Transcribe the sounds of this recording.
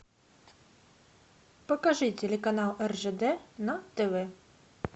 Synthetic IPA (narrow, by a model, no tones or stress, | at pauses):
pɐkɐʐɨtʲɛlʲɛkɐnalˠɛrʐɛd̪ɛnɐt̪ɛvɛ